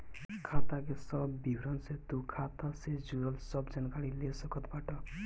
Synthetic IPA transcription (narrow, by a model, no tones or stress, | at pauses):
kʰat̪akesɔbbibʱɾɔnset̪ukʰat̪ased͡ʒuɾɔlsɔbd͡ʒankaɽilesɔkɔt̪baʈɔ